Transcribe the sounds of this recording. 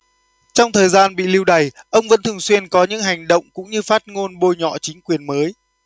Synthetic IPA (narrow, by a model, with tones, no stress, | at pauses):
t͡ɕɔ˧wŋ͡mt̪ʰəː˨˩jzaː˧nɓḭ˧˨li˧wɗa˨˩jʔə˧wŋ͡mvə̰˧˥nt̪ʰɨ˨˩əŋswi˧ənkɔ˨˦ɲɨ̰˧˥ŋɦa˨˩jŋ̟ɗə̰˧˨wŋ͡mkʊ̰˧˥ŋ͡mɲɨ˧faː˦˥t̚ŋo˧nɓo˧jɲɔ̰˧˨t͡ɕï˨˦ŋ̟kwi˨˩ənməː˨˦j